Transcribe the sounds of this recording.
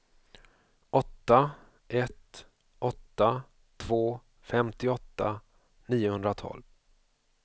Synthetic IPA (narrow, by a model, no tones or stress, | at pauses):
ɔt̪ːa | ʔɛt̪ | ʔɔt̪ːa | t̪ʰv̥oː | fɛmt̪ɪɔt̪ːa̰ | niːʊhɵnd̪ɾat̪ʰɔ̰ːlv